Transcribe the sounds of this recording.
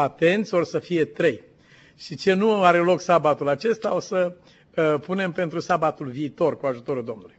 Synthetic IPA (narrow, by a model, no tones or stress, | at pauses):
at̪e̞nt̪sʲo̞rsəfije̞t̪ɾe̞j | ʃit͡ʃe̞nuaɾe̞lo̞ksabat̪ulat͡ʃe̞st̪aosə | pune̞mpe̞nt̪ɾusabat̪ulviːt̪o̞rkuaʒut̪o̞ɾuld̪o̞mnuluj